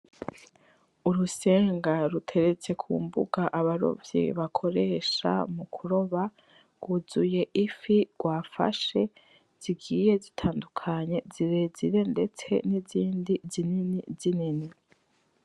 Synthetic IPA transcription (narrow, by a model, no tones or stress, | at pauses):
uɾuse̞ːŋɡaɾutʰe̞ɾe̞t͡se̞kʰṵːmbṵɡaʔaβaɾo̰vjḭβakʰo̞ɾe̞ʃa̰mukʰuɾo̞βa | ɡ̥uzuje̞ʔifiɡ̥waːfa̰ʃe̞ | z̥iɡiːje̞zitʰaːndukʰaɲe̞ziɾeziɾe̞nde̞t͡se̞̰niziːndizininizinini